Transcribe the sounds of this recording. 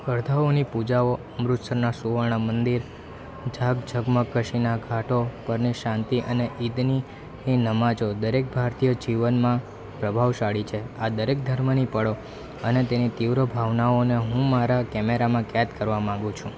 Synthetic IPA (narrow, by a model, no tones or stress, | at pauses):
əɾd̪ʱaonipud͡ʒaoəmɾʊt̪səɾnasuʋəɭɳ̃əmənd̪iɾ | d͡ʒʱaɡd͡ʒʱəɡməkːəʃinaɡʱaʈopəɾniʃãnt̪iʔəneʔid̪ni | ninəmãd͡ʒod̪əɾek̚bʱaɾt̪ijəd͡ʒiʋənmã | pɾəbʱaʋʃaɽit͡ʃʰead̪əɾek̚d̪ʱəɾmənipəɽo | ənet̪enit̪iʋɾəbʱaʋnaoneɦũmaɾakɛmeɾamãkɛt̪kəɾʋamãŋɡũt͡ʃʰũ